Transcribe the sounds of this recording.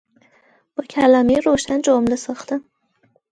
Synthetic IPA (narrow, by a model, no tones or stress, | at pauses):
b̥ʊkʲʰalamijɾoʃand͡ʒomlɪsɨχt̪ɨ